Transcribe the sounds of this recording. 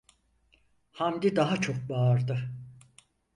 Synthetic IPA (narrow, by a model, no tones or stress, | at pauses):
hamd̪id̪aɦat͡ʃʰo̞k̚baɾd̪ɯ